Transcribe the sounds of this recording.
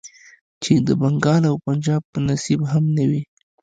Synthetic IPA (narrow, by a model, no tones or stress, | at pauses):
t͡ʃed̪əbaŋɡɑlawpand͡ʒɑb̚pənasibɦamnawi